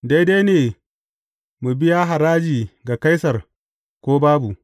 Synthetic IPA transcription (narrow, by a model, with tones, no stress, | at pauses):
da˦jda˦jneː˨ | mu˨bɪ˦ja˦ɦa˨ɾaː˦d͡ʒiː˨ɡa˨ka˦jsɐ˨r | kʷoː˦baː˦bu˨ʔ